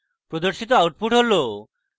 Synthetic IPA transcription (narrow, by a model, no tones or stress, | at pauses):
pɾod̪oɾʃit̪oawʈ̚puʈɦolo